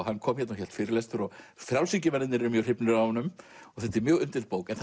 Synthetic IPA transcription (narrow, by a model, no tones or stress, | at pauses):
hanːkʰɔːmçɛt̪naçɛlt̪fɪːɾɪlɛst̪fʏɾɔɣ | θɾjawlsicɪmɛnɪt̪nɪɾɛɾʏmjœr̥ɪpnʏɾawhɔnːʏm | ɔɣθɛht̪ːɪɾmjœːɣʏnt̪ɪlt̪powkɛnθ